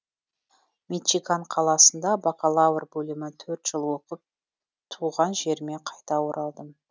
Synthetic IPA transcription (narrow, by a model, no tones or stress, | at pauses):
met̪ʃikaɴqʰɑlˠɑsənd̪ɑbɑqɑlˠɑwərbɵlɪmɪt̪ʰɵɾt̪ʒ̥əlˠwo̞qəp̚ | t̪ʰuʁɑnʒe̞ɾme̞qʰɑjt̪ɑwoɾʔɑlˠd̪əm